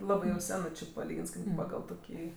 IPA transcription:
ˈlˠɑːbɜ jɛʊ ˈsʲæːnɜ t͡ʃʲɪ pɐˈlʲiːɡʲɪns ˈkɐɪp ˈpɑːɡɐlˠ ˈtoːkʲiː

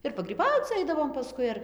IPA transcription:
ɪr pɐɡrʲiːˈbɐʊt͡s ˈɐɪdɐʋoːm pɐˈskʊɪ ɐr

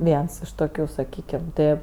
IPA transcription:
ˈʋʲiɛns ɪʃ ˈtoːkʲʊ sɐˈkʲiːkʲɛm ˈtɜ

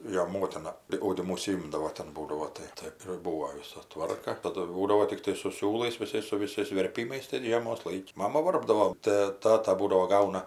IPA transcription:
ˈjoː ˈmoːtʲɪnɐ tɐɪ ɐʊdʲɪˈmʊ ʊʃʲsʲɪˈɪmdɐʋoː ˈtʲɛn ˈbuːdɐʋoː ˈtɐɪ tɐɪ ɪr ˈbuːʋoː ˈʋʲɪsɐ ˈtʋɐrkɐ tɐˈdʊ ˈbuːdɐʋoː tʲɪkˈtɐɪ sʊ ˈsʲuːlˠɐɪs ʋʲɪˈsɐɪs sʊ ʋʲɪˈsɐɪs ʋʲɛrʲˈpʲiːmɐɪs tʲɛn ˈʒʲiɛmoːs ˈlˠɐɪkʲɪ ˈmɑːmɐ ˈʋɐrbdɐʋoː tɜ ˈtɑːtɐ ˈbuːdɐʋoː ˈɡɐʊnɐ

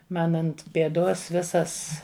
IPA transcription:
ˈmɐn ˈɐnt pʲeːˈdoːs ˈʋʲɪsɐs

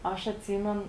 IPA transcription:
ˈɐʃ ɐtʲˈsʲiːmʲɛn

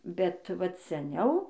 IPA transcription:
bʲɛt ˈʋɐt sʲɛˈnʲɛʊ

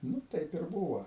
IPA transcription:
ˈnʊ ˈtɐɪp ɪr ˈbuːʋoː

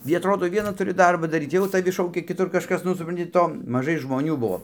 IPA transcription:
ɡʲɪ ɐtˈroːdoː ˈʋʲiɛnɐ tʊˈrʲɪ ˈdɐrbɐ dɐˈrʲiːt ˈjɛʊ tɐˈʋʲɪ ˈʃɐʊkʲɛ kʲɪˈtʊr kɐʃˈkɐs ˈnʊ sʊprɐnʲˈtʲɪ ˈtoː mɐˈʒɐɪ ʒmoːˈnʲuː ˈbuɔ

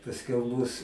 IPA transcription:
pɐsʲˈkʲɛʊ mʊs

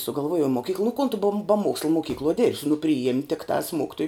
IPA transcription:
sʊɡɐlˠˈʋuɔjɛʊ moːˈkʲiːklˠɐ nʊ koːn tʊ bɐ bɐ ˈmuɔkslˠɐ moːˈkʲiːklˠoːj ˈdʲeːrʲpʲsʲɪ nʊ pʲrʲɪˈjeːmʲ tʲɪkˈtɑːs ˈmoːkʲɪtoːjʊ

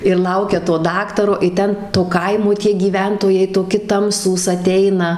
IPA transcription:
ɪr ˈlˠɐʊkʲɛ toː ˈdɑːktɐroː ɪ ˈtʲɛn toː ˈkɐɪmoː tʲiɛ ɡʲiːˈʋʲɛntoːjɛɪ toːˈkʲɪ ˈtɐmsuːs ɐˈtʲɛɪnɐ

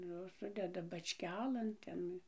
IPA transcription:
ˈjoːs ˈsʊdʲɛdɐ bɐt͡ʃʲˈkʲæːlʲeːn ˈtʲɛn

